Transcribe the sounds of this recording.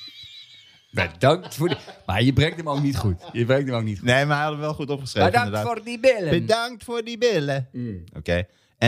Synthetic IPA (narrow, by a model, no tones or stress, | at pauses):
bədɑŋk̚tfoma̰jəbrɛŋtəmoknitχutjəbrɛŋtəmoknitneːmaɦɛjɑtəmʋɛlˠχutɔpχəsreːəɪndədːdibɪləbədɑŋktfʊːɹdibɪləʔo̰keː | ɛ